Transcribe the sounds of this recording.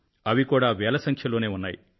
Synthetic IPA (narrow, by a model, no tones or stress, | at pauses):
ɐʋikuːɽaːʋɛːlɐsɐŋkʰjɐloːne̞ːunːaːjḭ